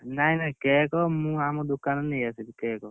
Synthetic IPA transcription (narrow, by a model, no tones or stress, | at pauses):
najnakɛːkɔmũamɔd̪ukanɔnejased̪ikɛːkɔ